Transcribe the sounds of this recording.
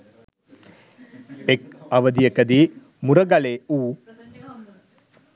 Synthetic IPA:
ek̚ɐʋəd̪ijəkəd̪iː | muɾɐɡaleːuː

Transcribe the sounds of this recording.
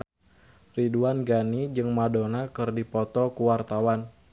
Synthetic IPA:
riduanɡanid͡ʒɨŋmadonakɨrdipɔt̪ɔkuwart̪awan

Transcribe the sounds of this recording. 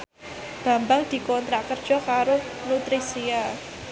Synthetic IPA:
ɡ̥a̤mbaŋd̪̥i̤kɔnt̪ɾakərd̥d͡ʒ̥ɔ̤kaɾonut̪ɾisia

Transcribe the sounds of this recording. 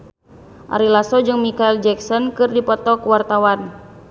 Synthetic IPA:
ʔa̰ɾilasɔd͡ʒɨŋmikaild͡ʒɛksɔnkɨrdipɔt̪ɔkwart̪awan

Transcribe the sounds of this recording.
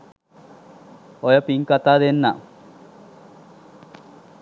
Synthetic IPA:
ojəpiŋkat̪aːd̪enːa

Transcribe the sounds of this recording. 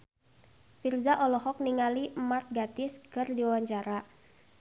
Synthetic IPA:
firzaʔɔlɔhɔk̚niŋalimat̪̚ɡat̪ɪskɨrdiwawaɲt͡ʃaɾa

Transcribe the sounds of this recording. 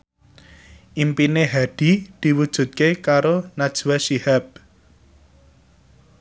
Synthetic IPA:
ʔimpineɦaɖ̥id̪̥i̤wud̥ʒ̥ṳt̪̚kekaɾonad̥ʒ̥wasihab̚

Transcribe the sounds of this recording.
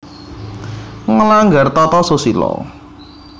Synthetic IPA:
ŋəlaŋɡart̪ɔt̪ɔsosilɔ̰

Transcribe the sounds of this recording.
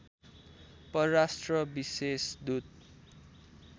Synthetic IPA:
pʌrasʈrʌbisesd̪ut̪̚

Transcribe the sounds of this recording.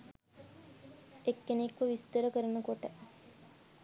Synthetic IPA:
ekːenekʋəʋist̪əɾəkəɾənəkoʈə

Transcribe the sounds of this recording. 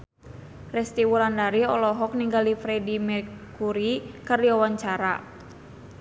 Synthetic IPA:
rɛst̪iwuɾandaɾiɔlɔɦɔk̚niŋɡalifɾɛdimɛrkuɾikɨrdiawaɲt͡ʃaɾa̰

